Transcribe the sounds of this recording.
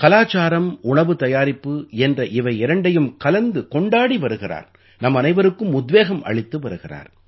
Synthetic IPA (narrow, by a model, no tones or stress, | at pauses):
kɐlaːt͡ʃːaːɾɐmʊɳɐʋɯt̪ɐjaːɾɪpːɯɛndrɐʔɪʋɐɪɪɾɐɳɖɐjɯmkɐlɐnd̪ɯkɔɳɖaːɽiʋɐɾɯɣɪra̰ːɾ | nɐmːɐnɐɪʋɐɾɯkːɯmʊd̪ʋeːɣɐmʔɐ̰ɭɪt̪ːɯʋɐɾɯɣɪra̰ːɾ